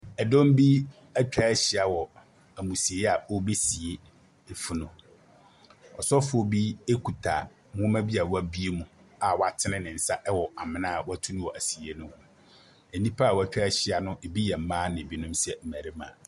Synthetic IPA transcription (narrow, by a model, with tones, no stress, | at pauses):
ɛ˨dɔ̃˦m˦bi˦ | æ˦t͡ɕᶣa˦ɕɪ˨a˨wɔ˨ | æ˨mũ˨si˨e˨˦ɛ˦a˨ɔ˦be˦si˨e˦ | e˨fu˦nʊ̃˨ | ɔ˨sɔ˦fʊ˨˦ɔ˦bi˦e˦kʰu˨tʰa̰˨ | mʊ̃˦mæ̃˦bi˦a˨wa˦bi˦e˦mũ˦ | a˨wa˨tʰɪ˦nɪ̃˦nɪ̃˨n̩˨sa˦ʔɛ˦wɔ˨a˨mɪ̃˨nã˦˨wa˦tʰũ˦nʊ̃˦wɔ˨ʔæ˨si˨e˦nʊ̃˦w | e˨nĩ˦pʰa˦a˨wɔ˦æ˦˨t͡ɕᶣa˦ɕɪ˨a˨nʊ̃˦ʔe˨bi˦jɛ˨m̩˦mãː˦nɪ̃˨e˨bi˦nʊ̃˦msɛ˦m̩˨mæ˨ɾi˦mã̰˨